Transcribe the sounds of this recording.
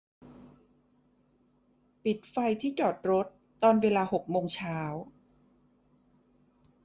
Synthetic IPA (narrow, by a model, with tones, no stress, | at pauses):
pi˨˩t̪̚fa˧jt̪ʰiː˥˩t͡ɕɔː˨˩t̪̚ɾo˦˥t̪ːɔː˧nweː˧laː˧ho˨˩k̚moː˧ŋt͡ɕʰaː˦˥w